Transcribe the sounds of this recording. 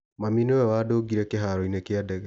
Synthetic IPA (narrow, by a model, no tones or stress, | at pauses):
maminoɛwadoɡiɾɛkeɦaɾɔinekeadɛɣɛ